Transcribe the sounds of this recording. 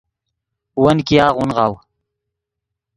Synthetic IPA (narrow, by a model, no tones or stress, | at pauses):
wənkijaːʁunʁɑːw